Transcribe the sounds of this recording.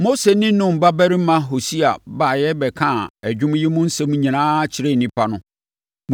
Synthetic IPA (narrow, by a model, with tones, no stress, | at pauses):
mo˦se˨nĩ˦nʊ̃˦m̩˨ba˦bæ˦ɾi˦mã˦ɦo˨si˦a˨baː˨jɛ˦bɛ˨kʰã˦˨æ˨d͡ʑᶣʊ̃˦m˦ji˦mʊ̃˦n̩˦sɛ̃˦m̃˦ɲĩ˨nãː˦t͡ɕʰɪ˨ɾe˦˨nĩ˦pʰa˦nʊ̃˦ | m